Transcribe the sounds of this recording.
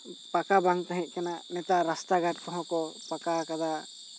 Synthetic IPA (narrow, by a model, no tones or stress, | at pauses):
pakabaŋt̪aɦɛ̃ʔ̚kananɛt̪aɾast̪aɡaʈkɔɦɔ̃kɔpakakad̪a